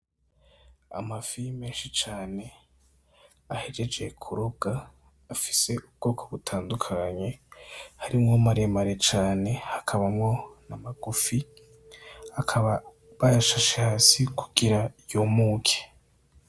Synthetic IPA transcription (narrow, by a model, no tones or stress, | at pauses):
a̰mafimeːnʃit͡ʃaːne̞ | ahe̞d͡ʒe̞d͡ʒe̞kʰuɾuɡ̥aː | fi̥se̞ʔub̚ɡ̥o̞ːkʰoβutʰaːndukʰaɲe̞haɾimŋomaɾemaɾet͡ʃaːne̞hakʰaβamŋo̞namaɡ̥ufi | akʰaβa | βajaʃaʃahasiku̥ɡ̥iɾajumuːkʰe̥